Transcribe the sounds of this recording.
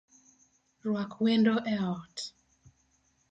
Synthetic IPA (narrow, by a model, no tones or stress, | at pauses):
rwakʰwendoʔɛɔt